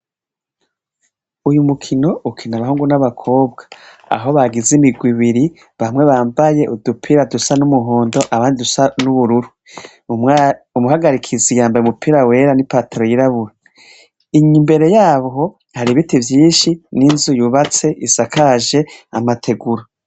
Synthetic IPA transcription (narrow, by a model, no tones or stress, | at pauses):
ujumukʰino̞ukʰinaβaɦuːŋɡunaβakʰo̞ːbɡḁ | a̰ɦo̞βaɡizimiɡwiβiɾi | βamŋe̞βaːmbaje̞ʔudupʰiːɾadusanumuɦoːndo̞ʔaβaːndidusanuβuɾuɾu | umuhaɡaɾikʰizijaːmbajumupʰiːɾawe̞ːɾanipaːteɾo̞jiɾaβuɾa | iɲimbe̞ɾe̞jaːβɦo̞ | haɾiβitivjiːnʃininzujuβat͡se̞ʔisakʰaʒe̞amatʰe̞ɡuɾo